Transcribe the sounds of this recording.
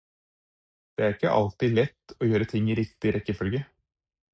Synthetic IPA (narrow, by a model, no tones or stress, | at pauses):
d̪̥ɛæɾɪkːə̰ʔɑ̰lt̪iːlɛt̪ːɔjøːɾət̪ʰɪŋːɪɾɪkt̪ɪɾɛkːɪfœlɡə